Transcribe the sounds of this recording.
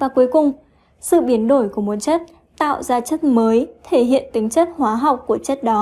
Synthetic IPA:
vaː˨˩ku˨˦əjkʊ˨˩ŋ͡m | sɨ̰˧˨ɓi˨˦ənɗo˧˩jku˧˩mo˨˩t̚t͡ɕə˦˥t̚ | t̪a̰ː˧˨wzaː˧t͡ɕə˦˥t̚məː˨˦jt̪ʰe˧˩ɦḭ˧˨ənt̪ï˨˦ŋ̟t͡ɕə˦˥t̚hwaː˨˦ɦa˨˩wk͡p̚kːu˧˩ət͡ɕə˦˥t̚ɗɔ˨˦

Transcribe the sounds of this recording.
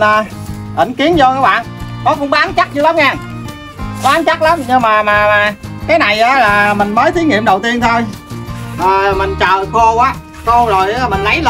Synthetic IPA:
əː˨˩ | ʔ̪ï˧˩ŋ̟ki˨˦ənzɔ˧kaː˨˦˥ɓa̰ː˧˨nkɔ˨˦kʊ̰˧˥ŋ͡mkːa˨˦nt͡ɕa˦˥t̚t͡ɕɨ˧˦la˨˦mŋɛː˧ | kɔ˨˦ʔːnt͡ɕa˦˥t̚la˨˦mɲɨ˧ŋmaː˨˩maː˨˩maː˨˩kaː˨˦jna˨˩jʔaː˨˦laː˨˩mï˨˩ŋ̟məː˨˦jt̪ʰi˨˦ŋḭ˧˨əmɗə˨˩wt̪i˧ənt̪ʰo˧j | ʔəː˨˩mï˨˩ŋ̟t͡ɕə̰ː˧˨xo˧ʔaː˨˦ | xo˧zo˨˩jʔmï˨˩ŋ̟lə˨˦jl

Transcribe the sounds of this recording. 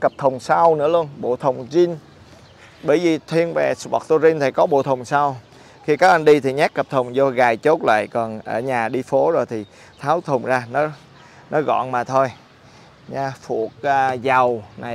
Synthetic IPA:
kə˨˩p̚t̪ʰə˨˩wŋ͡msa˧wnɨ̰˧˥əlu˧ənɓo̰˧˨t̪ʰə˨˩wŋ͡mzi˧n | ɓə˧˩jvi˨˩t̪ʰwi˧ənve˨˩sɓɔ̰˨˩k̚t̪o˧zi˧nt̪ʰi˨˩kɔ˨˦ɓo̰˧˨t̪ʰə˨˩wŋ͡msa˧w | xi˧kaː˦˥k̚ʔa˧nɗi˧t̪ʰi˨˩ɲaː˦˥kːə˨˩p̚t̪ʰə˨˩wŋ͡mnzɔ˧ɣaː˨˩jt͡ɕo˦˥t̚la̰ː˧˨jkɔ˨˩nʔəː˧˩ɲaː˨˩ɗi˧fo˨˦zo˨˩jt̪ʰi˨˩ | t̪ʰaː˨˦wt̪ʰə˨˩ŋ͡mzaː˧nɔ˨˦ | nɔ˨˦ɣɔ̰˧˨nmaː˨˩t̪ʰo˧j | ɲaː˧fu˨˧˩ək̚ːza˨˩wna˨˩j

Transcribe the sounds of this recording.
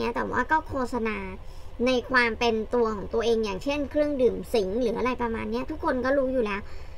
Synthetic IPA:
i˦˥ɐt̪ɛː˨˩wa̰ː˥˩kɔː˥˩kʰoː˥˩t̚sa˧naː˧na˧jkʰwaː˧mpe˧nt̪u˧ɐkʰɔː˩˦ŋt̪u˧ɐʔeː˧ŋjaː˨˩ŋt͡ɕʰe˥˩nkʰɾɯ˥˩əŋdɯː˨˩msi˩˦ŋɾɯː˩˦ʔa˧ɾa˧jpɾa˧ma̰ː˧nːi˦˥ɐt̪ʰu˦˥kʰːo˧nkɔː˥˩ɾuː˦˥juː˨˩lɛː˦˥w

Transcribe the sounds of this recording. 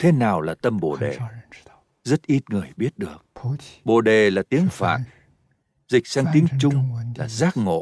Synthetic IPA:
t̪ʰe˨˦naː˨˩wlaː˨˩t̪ə˧mɓo̰˧˩ɗe˨˩ | zə˦˥t̚ʔi˦˥t̚ŋɨ˨˩əjɓi˦˥ət̚ɗɨ˨˩ək̚ɓo̰˧˨ɗe˨˩laː˨˩t̪i˨˦əŋfa̰ː˧˨ | zï˨˩k̟̚saː˧ŋt̪i˨˦ət͡ɕʊ˧ŋ͡mlaː˨˩zaː˦˥k̚ŋo̰˧˨

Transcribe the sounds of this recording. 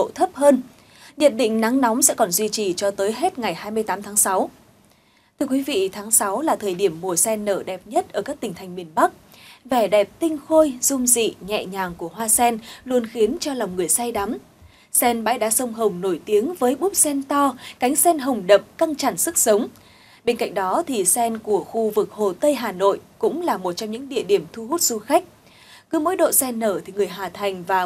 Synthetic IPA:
o̰˧˨t̪ʰə˦˥p̚həː˧n | ɲə̰˧˨n̚ɗḭ̈˧˨ŋ̟na˨˦ŋnɔ˨˦wŋ͡msɛ̰˧˥kɔ˨˩nzwi˧t͡ɕi˨˩t͡ɕɔ˧t̪əː˨˦jɦe˦˥t̚ŋa˨˩jhaː˧jmɨ˧əjt̪aː˨˦mt̪ʰaː˨˦ŋsa˨˦w | t̪ʰɨ˧əkwi˨˦vḭ˧˨t̪ʰaː˨˦ŋsa˨˦wlaː˨˩t̪ʰəː˨˩jɗi˧˩əmːu˨˩əsɛ˧nːəː˧˩ɗɛ˨˩p̚ɲə˦˥t̚ʔəː˧˩kaː˦˥k̚t̪ï˨˩ŋ̟t̪ʰŋ̟mi˨˩ənɓa˦˥k̚ | vɛ˧˩ɗɛ˨˩p̚t̪ï˧ŋ̟xo˧jzʊ˧mzḭ˧˨ɲɛ̰˧˨ɲaː˨˩ŋku˧˩əɦwaː˧sɛ˧nlu˧ənxi˨˦ənt͡ɕɔ˧la˨˩wŋ͡mŋɨ˨˩əjsa˧jɗa˨˦m | sɛ˧nɓa̰ː˧˥jɗa̰ː˧˥sə˧wŋ͡mɦə˨˩wŋ͡mno˧˩jt̪i˨˦əŋvəː˨˦jɓu˦˥p̚sɛ˧nt̪ɔ˧ka˨˦jŋ̟sɛ˧nɦə˨˩wŋ͡mɗə˨˩p̚ka˧ŋt͡ɕa̰˧˩nsɨ˦˥k̚sə˨˦wŋ͡m | ɓe˧nka̰˧˨jŋ̟̚ɗɔ˨˦t̪ʰi˨˩sɛ˧nku˧˩əxu˧vɨ˨˩k̚ho˨˩t̪ə˧jɦaː˨˩no̰˧˨jkʊ̰˧˥ŋ͡mlaː˨˩mo˨˩t̚t͡ɕɔ˧ŋ͡mɲɨ̰˧˥ŋɗḭ˧˨əɗi˧˩əmt̪ʰu˧hu˦˥t̚z̥u˧xa˦˥jk̟̚ | kɨ˨˦mo̰˧˥jɗo̰˧˨sɛ˧nːəː˧˩t̪ʰi˨˩ŋɨ˨˩əjɦaː˨˩t̪ʰa˨˩jŋ̟vaː˨˩

